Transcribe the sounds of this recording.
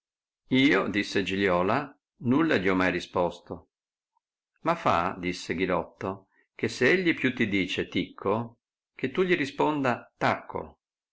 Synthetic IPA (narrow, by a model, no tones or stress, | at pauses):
iːod̪isːed͡ʒiljɔːla | nulːaʎiɔmːajrispɔst̪o | mafa̰d̪isːeɡilɔt̪ːo | keseeʎːipjut̪ːid̪iːt͡ʃet̪ikʰːo | k̟et̪ːuʎiɾispond̪at̪akʰːo̰